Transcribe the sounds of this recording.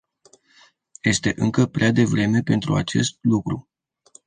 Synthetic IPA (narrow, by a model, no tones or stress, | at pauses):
je̞st̪e̞ʔɨŋkəpɾead̪e̞vɾe̞me̞pe̞nt̪ɾuat͡ʃe̞̰st̪̚lukɾu